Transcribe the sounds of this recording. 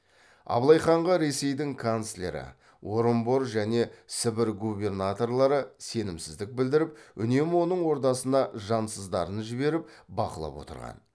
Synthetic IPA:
ɑ̰blˠɑjχɑɴʁəɾe̞se̞jd̪ɪŋkʰonslʲe̞̰ɾɪ̰ | wo̞ɾəmbo̞ɾʒæne̞sɪbɪɾɡube̞rnat̪o̞rlˠɑɾəse̞nɪmsɪzd̪ɪk̚bɪld̪ɪɾɪpʏne̞mɪwo̞nəɴwo̞ɾt̪ɑsənɑʒɑnsəzd̪ɑɾənʒɪbe̞ɾɪpbɑ̰qəlˠɑ̰pwo̞̰t̪ə̰ɾʁɑ̰n

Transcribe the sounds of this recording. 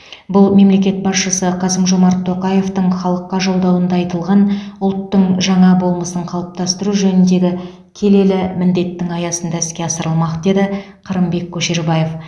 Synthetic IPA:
bʊlˠme̞mle̞kʲe̞t̪̚bɑsʃəsəqʰɑsəmʒo̞mɑɾt̪ʰːo̞qɑje̞ft̪əɴχɑlˠəqːɑʒo̞lˠd̪ɑwənd̪ɑːjt̪əlˠʁɑnʊlˠt̪ːəɴʒɑɴɑbo̞lˠməsəɴqʰɑlˠəp̚t̪ɑst̪əɾuʒɵnɪnd̪e̞ɡʲɪ | kʲʰe̞le̞lɪmɪnd̪e̞t̪ːɪŋɑjɑsənd̪ɑɪskʲe̞ɑsəɾəlˠmɑqd̪e̞d̪ɪ | qʰɑɾəmbe̞kʲʰːɵʃe̞ɾbɑjef

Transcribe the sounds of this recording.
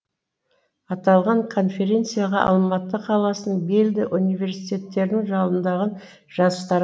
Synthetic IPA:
ɑt̪ɑlˠʁɑɴkʰo̞nfe̞ɾʲe̞nt̪sɨjaʁɑʔɑ̰lˠmɑt̪ːəqʰɑlˠɑsənəɴbe̞ld̪ɪʔunijve̞ɾsit̪ʲe̞t̪ːe̞ɾnɪŋʒɑlˠənd̪ɑʁən | ʒ̥ɑzəst̪ɑɾ

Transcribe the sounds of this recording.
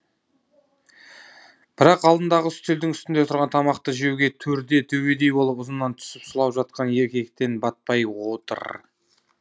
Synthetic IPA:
b̥ɪɾɑqɑlˠd̪ənd̪ɑʁəʏst̪ʰeld̪ɪŋʏst̪ɪnd̪e̞t̪ʰʊɾʁɑnt̪ʰɑmɑqt̪əʒe̞wɡʲe̞t̪ʰɵɾd̪e̞t̪ʰɵwe̞d̪e̞jbo̞lˠəpʊzənːɑnt̪ʰʊ̥sɪpsʊlˠɑpʒɑt̪̚qɑnje̞ɾkʲe̞kt̪e̞nbɑt̪̚pɑjwo̞t̪ə̰ɾ

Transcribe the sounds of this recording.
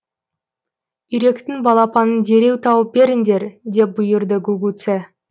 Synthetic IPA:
ʏɾe̞kt̪ɪŋbɑlˠɑpɑnənd̪e̞ɾe̞wt̪ʰɑwəp̚be̞ɾɪŋd̪e̞ɾd̪e̞p̚bʊjəɾd̪əɡuɡut̪se

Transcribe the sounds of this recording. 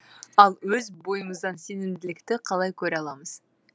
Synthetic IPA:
ɑlˠwɵzbo̞jəməzd̪ɑnse̞nɪmd̪ɪlɪkt̪ɪqʰɑlˠɑjkʲʰɵɾɑlˠɑməz̥

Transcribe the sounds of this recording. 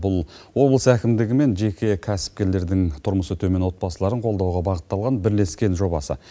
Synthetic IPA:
bʊlˠwo̞blˠəsækʲɪmd̪ɪɡʲɪme̞nʒe̞kʲe̞kʲʰæsɪ̥p̚kʲe̞ɾle̞ɾd̪ɪŋt̪ʰʊɾməsət̪ʰɵme̞nwo̞t̪̚pɑsəlˠɑɾəɴqʰo̞lˠd̪ɑwʁɑbɑʁət̪ːɑlˠʁɑnbɪɾle̞skʲe̞nʒo̞bɑsə̰

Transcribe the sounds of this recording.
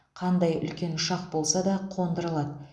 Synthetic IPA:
qʰɑnd̪ɑjʏ̰lkʲe̞nʊʃɑq̚bo̞lˠsɑd̪ɑqʰo̞nd̪əɾəlˠɑd̪

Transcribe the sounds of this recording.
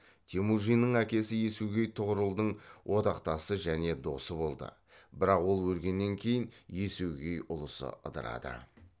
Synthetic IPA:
t̪ʲʰemuʒijnəɴækʲe̞sɪje̞suɡʲe̞jt̪ʰʊʁəɾəlˠd̪əɴwʔo̞d̪ɑqt̪ɑsəʒæne̞d̪o̞səbo̞lˠd̪ə̰ | bɪɾɑqwo̞lˠwɵlɡʲe̞nːe̞ŋkʲʰe̞jɪnje̞suwɡʲe̞jʔʊlˠəsə̰ʔə̰d̪ə̰ɾɑ̰d̪ə̰

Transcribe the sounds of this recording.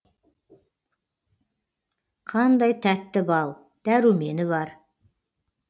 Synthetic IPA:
qʰɑnd̪ɑjt̪ʰæt̪ːɪbɑlˠ | d̪̥æɾuwme̞nɪβɑɾ

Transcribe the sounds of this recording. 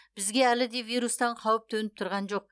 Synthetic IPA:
b̥ɪzɡʲe̞ælɪd̪e̞vijɾust̪ɑɴqʰɑwəp̚t̪ʰɵnɪp̚t̪ʰʊɾʁɑnʒo̞q̚

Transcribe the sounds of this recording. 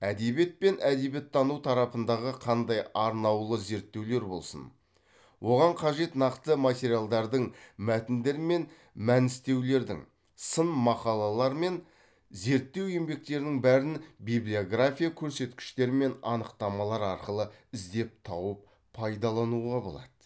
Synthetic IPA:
æd̪e̞be̞t̪̚pe̞nʔæd̪e̞bjet̪ʰːɑnut̪ʰɑɾɑpənd̪ɑʁəqʰɑnd̪ɑjɑɾnɑwlˠəze̞ɾt̪ːe̞wle̞ɾbo̞̰lˠsə̰n | wʔo̞ʁɑɴqʰɑʒe̞t̪nɑqt̪əmat̪ʲe̞ɾijalˠd̪ɑɾd̪əɴmæt̪ɪnd̪e̞ɾɪme̞n | mænɪst̪e̞wle̞ɾd̪ɪ̰ŋ | sənmɑqɑlˠɑlˠɑɾme̞n | ze̞ɾt̪ːe̞we̞mbe̞k̚t̪e̞ɾɪnɪŋbæɾɪnbijblijo̞ɡrafʲijakʲʰɵɾse̞t̪kʲɪ̥ʃt̪e̞ɾɪme̞nɑnəqt̪ɑmɑlˠɑɾɑɾqəlˠəɪzd̪e̞p̚t̪ʰɑwəp̚ | pʰːɑjd̪ɑlˠɑnuʁɑbo̞̰lˠɑd̪̥ə

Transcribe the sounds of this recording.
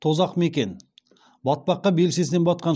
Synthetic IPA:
t̪ʰo̞zɑqme̞kʲe̞n | bɑt̪̚pɑqːɑbe̞lse̞sɪnenbɑt̪̚qɑn

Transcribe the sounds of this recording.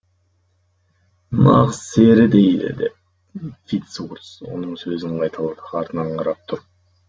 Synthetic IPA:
nɑ̰ʁzse̞ɾɪd̪e̞jd̪ɪ̰d̪ḛp̚ | fʲit̪suɾt̪so̞̰nəɴsøzɪɴqʰɑjt̪ʰɑlˠɑd̪əɑɾt̪ənɑɴqʰɑɾɑp̚t̪ʰʊɾ

